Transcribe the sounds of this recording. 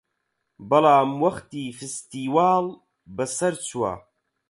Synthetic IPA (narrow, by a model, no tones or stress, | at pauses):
bɐlaːmwɐχt̪iːfist̪iwaːl | bɐsɐɾt͡sʰwa̰